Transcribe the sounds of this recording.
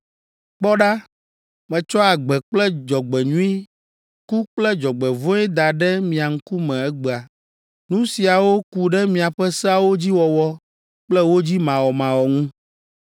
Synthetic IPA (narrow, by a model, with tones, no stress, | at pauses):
k͡pɔ˦ɖa˦ | mɛ̃˨t͡ʃɔ˦a˨ɡ͡bɛ˨k͡plɛ˦d͡ʒɔ˨ɡ͡bɛ˨ɲũ˦i˦ | ku˦k͡plɛ˦d͡ʒɔ˨ɡ͡bɛ˨võ˦ɛ˦d̪a˨ɖɛ˦mĩ˨a˨ŋ̩˦ku˦mɛ̃˨ɛ˦ɡ͡bɛ˨a˨ | nũ˦si˨a˨wo˦ku˨ɖɛ˦mĩ˨a˨ɸɛ˦sɛ˦a˦˨wo˦d͡ʑi˦wɔ˨wɔ˦ | k͡plɛ˦wo˦d͡ʑi˦mã˨wɔ˨mã˨wɔ˨ŋũ˦